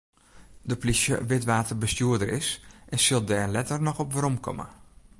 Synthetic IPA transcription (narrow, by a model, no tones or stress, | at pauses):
dəplisjə̰ʋɪtʋaːtərbəstjuədəɾɪsʔɛnsɪlˠdɛːrlɛtərnɔxɔpʋəɾɔmkʰɔ̰mə̰